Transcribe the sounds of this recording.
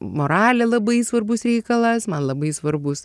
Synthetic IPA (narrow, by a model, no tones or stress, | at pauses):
moːɾɑːlʲɛlˠɐbɐɪsʋɐrbʊsrʲɛɪkɐlˠɐsmɐnlˠɐbɐɪsʋɐrbʊs